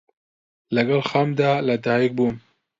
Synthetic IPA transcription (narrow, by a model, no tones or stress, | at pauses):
laɡalxɑmd̪alad̪ɑjik̚bum